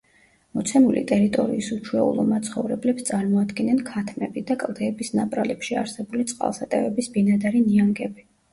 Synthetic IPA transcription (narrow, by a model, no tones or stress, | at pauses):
mɔt̪sʰɛmulḭt̪ʼɛɾit̪ʼɔ̰ɾḭisut͡ʃʰuɛṵlˠɔ̰mat̪sʰχɔ̰vɾɛblɛpst̪sʼaɾmɔad̪ɡɛnɛnkʰat̪ʰmɛbid̪akʼlˠd̪ɛːbisnapʼɾalɛpʃia̰ɾsɛbulit̪sʼqʼa̰lˠsat̪ʼɛ̰vɛbisbinad̪aɾiniaŋɡɛbi